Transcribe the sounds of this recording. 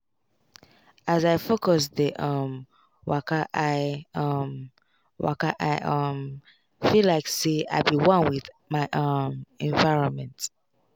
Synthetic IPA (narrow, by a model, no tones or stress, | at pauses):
azaɪfokɔsðəʔʌm | wa̰kaʔaɪʌm | wʔa̰kaʔaɪʔʌm | filaɪksea̰ɪbiwʌ̃nwið | maɪʔʌmɛ̃ɱvaɪɹɔ̃nmɛ̃nt